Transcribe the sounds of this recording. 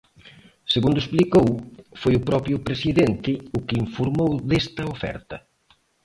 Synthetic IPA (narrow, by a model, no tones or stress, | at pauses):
seɣund̪ʊesplikowfojʊpɾɔpɾjʊpɾesiðent̪ɪʊkɪiɱfoɾmowðest̪ɐofɛ̰ɾt̪ɐ